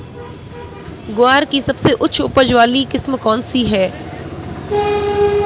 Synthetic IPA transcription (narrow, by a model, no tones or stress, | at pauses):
ɡʊaːɾkisɐbseʔʊːt͡ʃʰʊpəd͡ʒʋaːlikɪsmkɔːnsiɦɛː